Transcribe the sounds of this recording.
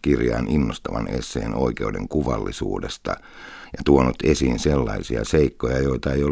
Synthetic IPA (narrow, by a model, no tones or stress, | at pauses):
kirjɑːninːost̪ɑʋɑnesːeːnoikeudeŋkuʋɑlːisṵːdest̪ɑ | jɑt̪uonut̪esiːnselːɑisiɑseikːojɑjoit̪ɑeijo